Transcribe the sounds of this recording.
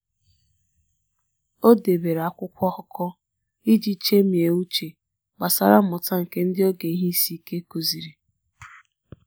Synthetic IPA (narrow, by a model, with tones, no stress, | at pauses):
o˦de˨be˨ɾa˨kʷʊ˦kʷɔ˦hɔ˦kʰɔ˦ | i˦d͡ʒi˦t͡ʃe˦mi˨e˨u˦t͡ʃe˨ | ɡ͡ba˨sa˨ɾa˦ʊ˨ta˦ŋ̩˨ke˦n̩˦dɪ˦o˦ɡe˨i˦ɦi˦si˦ke˦ko˨zi˨ɾi˨